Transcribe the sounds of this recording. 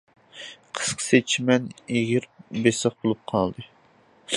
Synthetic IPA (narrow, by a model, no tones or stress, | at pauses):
qʰə̥sqʰə̥set͡ʃʰimɛneɡʲiɾbesəχ̚bolˠup̚qʰɑlˠd̪ɨ